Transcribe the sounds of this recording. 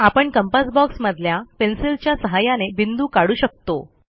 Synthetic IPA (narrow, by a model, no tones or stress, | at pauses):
apəɳkəmpasbɔksməd̪ʱljapensilt͡ɕjasəɦajanebind̪uːkaɽuːɕək̚t̪o